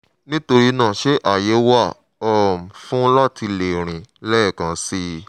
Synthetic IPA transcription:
nĩ˦to˧ɾi˧nãː˦˨ʃe˨˦ʔa˨je˨˦wa˦˨ | ɔ˦˨m̩˨fũ˦lɔ˦˨ti˧le˨ɾ̃ĩ˨lɛ˦ɛ˦˨kã˨˦si˧˦

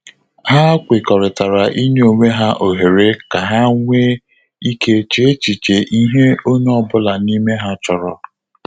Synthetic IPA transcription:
ha˦kʷɪ˨kɔ˨ɾɪ˨ta˨ɾa˨ʔi˦ne˦o˨ŋʷe˦ɦa˦ʔo˨ɦe˨ɾe˦ka˨ɦa˦ŋʷe˦ | i˦kʰe˦t͡ʃe˦t͡ʃi˨t͡ʃe˨ʔi˦ɦe˦o˦ɲ˦ɔ˨bʊ˦la˨ni˦me˦ɦa˦t͡ʃɔ˨ɾɔ˨

